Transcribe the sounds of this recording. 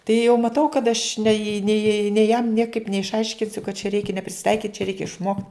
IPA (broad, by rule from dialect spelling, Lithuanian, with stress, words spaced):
tɐɪ jɛʊ mɐˈtɐʊ kɐt ɐʃ nʲɛɪ nʲɛɪ nʲɛɪ jɛm ˈnʲiɛkɐɪp nʲɛɪʃˈɐɪʃʲkʲɪnʲsʲʊ kɐt t͡ʃʲɛ ˈrʲɛɪkʲɛ nʲɛ pʲrʲɪsʲɪˈtɐɪkʲiːtʲ t͡ʃʲɛˈrʲɛɪkʲɛ ɪʃˈmoːktʲ